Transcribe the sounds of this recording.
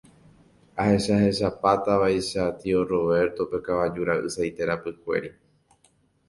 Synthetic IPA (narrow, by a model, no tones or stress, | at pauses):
ahe̞ʃahe̞ʃapat̪aʋaiʃat̪ioro̞βe̞ɾt̪o̞pe̞kaʋad͡ʒuɾaʔɨ̰sajt̪e̞ɾapɨkʷḛɾi